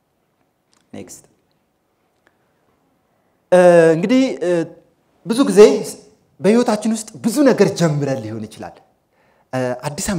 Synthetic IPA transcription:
nḛkst̪ | ɨŋɡɨd̪ih | bɨzuɡize̞ | bəhiwot̪ʰat͡ʃːɪnwʊst̪ʼbɨzunəɡəɾd͡ʒɛmːɨɾəlːiho̞nɨt͡ʃɪla̰l | ʔad̪ːisa

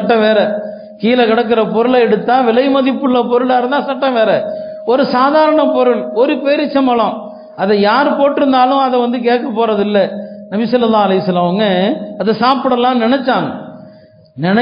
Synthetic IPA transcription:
ɐʈːɐ̃ʋeːɾɛ | kiːlɐkɪɽɐk̬ːɪɾɐpɔɾɯɭɐɛɽɯt̪ːãːʋɪlɐɪmɐðɪpːɯɭːɐpɔɾɯɭaːɾɐnt̪ãːsɐʈːɐ̃ʋeːɾɛ | ɔɾɯsaːðaːɾɐɳɐpɔɾɯɭɔɾɯpeːɾɪt͡ʃːɐmɐlɐ̃m | ɐðɐjaːɾpoːʈːɪɾɯnd̪aːlʊ̃ɐðɛʋɐnd̪ɯk̬eːʈkːɐpːoːɾɐðɪlːɐnɐbɪsɐlːɐlːaːɐlɐɪʋɐsɐlːɐmɐʋɐŋɡɐɐðɐsaːpɯɽɐlːãːnɪnɛt͡ʃːaːŋɡɐ | nɪnɐ

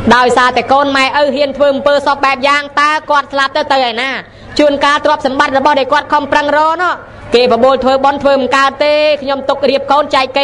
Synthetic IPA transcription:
ɗaɔjsaːt̪aɛkoːnmaɛʔəwɦiənt̪ʰʋəːʔɑmpəːsɑp̚ɓaɛp̚jaːŋt̪aɛkŏət̪̚slap̚t̪ɨwt̪ɨwʔaɔjnaː | t͡ɕuənkaːlt̪rŏəp̚sɑmɓat̪̚rɔɓɑhɗaɔjkŏət̪̚kʰɑmprəŋrɔːnɔːʔ | keːprɑɓoːlt̪ʰʋəːɓont̪ʰʋəːmŋkaət̪ːeːkʰɲomt̪uk̚riəp̚koːnt͡ɕaɛk̚kːe

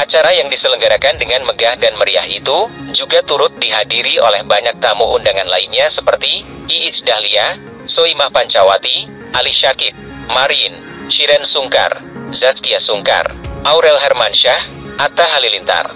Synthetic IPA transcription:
ʔat͡ʃaɾajaŋdisələŋɡaɾakandəŋanməɡahdanməɾia̰ɦḭt̪ud͡ʒuɡat̪uɾʊt̪̚diɦadiɾiolɛhbaɲak̚t̪amuʔundaŋanlainɲasəpərt̪iː | sdahlia | soimahpaɲt͡ʃawat̪i | ʔaliʃakit̪̚ | maɾiɪn | ʃiɾɛnsuŋka̰rzaskiasuŋka̰rʔauɾɛlɦɛrmanʃah | ʔat̪aɦalilint̪a̰r

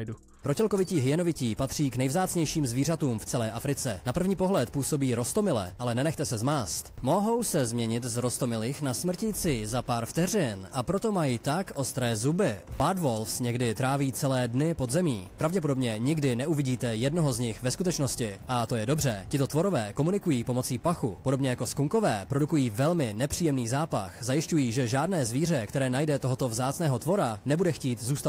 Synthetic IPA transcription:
u | pɾo̞cɛlko̞vɪciːɦɪjɛnovɪciːpat̪r̝̥iːknɛjvzaːt͡sɲɛjʃiːmzviːr̝at̪uːmft͡sɛlɛːʔafɾɪt͡sɛnapr̩vɲiːpo̞ɦlɛt̪puːso̞biːɾo̞st̪o̞mɪlɛ̰ʔalɛnɛnɛxt̪ɛsɛzmaːst̪mo̞ɦo̞wsɛzmɲɛɲɪt̪zɾo̞st̪o̞mɪlɪxnasmr̩cit͡sɪzapaːɾft̪ɛrɪnʔapɾo̞t̪o̞majit̪akʔo̞st̪ɾɛːzubɪbad̪volfsɲɛɡdɪt̪ɾaːviːt͡sɛlɛːdnɪpo̞d̪zɛmḭːpɾavɟɛp̬o̞do̞bɲɛɲɪɡdɪnɛʔuvɪɟiːt̪ɛjɛdno̞ɦo̞zɲɪxvɛskut̪ɛt͡ʃno̞scɪʔat̪o̞jɛdo̞br̝ɛcɪt̪o̞t̪vo̞ɾo̞vɛːko̞munɪkujiːpo̞mo̞t͡siːpaxupo̞do̞bɲɛjako̞skuŋko̞vɛːpɾo̞dukujiːvɛlmɪnɛpr̥iːjɛmniːzaːpa̰xzajɪscujiːʒɛʒaːdnɛːzviːr̝ɛkt̪ɛɾɛːnajdɛt̪oɦo̞t̪o̞vzaːt͡snɛːɦo̞t̪vo̞ɾanɛbudɛxciːt̪zuːst̪a

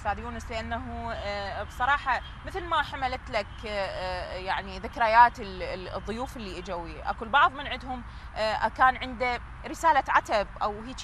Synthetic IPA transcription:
saːd̪juːnɪslɪʔanːaɦubsˤɑɾˤɑːħɑ | mɪθlmaħamalat̪lak | jaʕniðɪkɾajaːt̪ɪlðˤːʊjuːfɪlːiːʔad͡ʒawiʔa̰kʊlbɑʕðˤmɪnʕɪd̪hʊm | ʔakaːnʕɪnd̪a | ɾɪsaːlaʕat̪abʔawhiːt͡ʃ

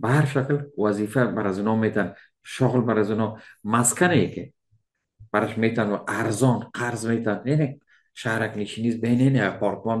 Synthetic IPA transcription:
bahaɾʃaklwazifabaɾazunɔmet̪ʰan | ʃɔʁlbaɾazunɔmaskʰanekʰi | b̥aɾaʃmet̪ʰanaʔaɾzɔnqʰaɾzmet̪ʰanene | ʃahɾakniʃinisbeneneapʰɔɾkʰman

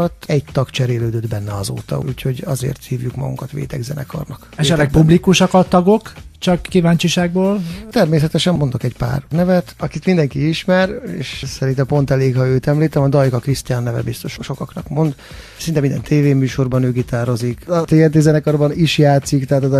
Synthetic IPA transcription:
ɒt̪ɛɟt̪ɒkt͡ʃɛɾeːløːd̪ød̪bɛnːɛɒzo̰ːt̪ɒ̰ṵːcho̞ɟɒzḛːrt̪hiːvjukmɒ̰ɡṵŋkɒt̪ʋḛːt̪ɛɡzɛ̰nɛ̰kɒ̰rnɒkɛʃɛt̪lɛk̚publikuʃɒkɒt̪ɒɡokt͡ʃɒkːivaːɲt͡ʃiʃaːɡ̚boːlt̪ɛrmeːs̬ɛt̪ɛʃɛmmo̞nd̪o̞kɛɟpa̰ːrnɛvɛt̪ɒkit̪mind̪ɛŋkiiʃmɛɾḛːʃsɛɾint̪ɛmpo̞nt̪ɛleːkhɒøːt̪ɛmliːt̪ɛmɒd̪ɒjkɒkrist̪ijanːɛvɛ̰bist̪o̞ʃʃo̞kɒknɒkmo̞nd̪ | sint̪ɛmind̪ɛ̰nt̪eːveːmyːʃo̞rbɒnøːɡit̪aːɾo̞zikɒt̪eːɛt̪ezɛnɛkɒrbɒniʃjaːt̪sikt̪ɛɦaːt̪ɛz

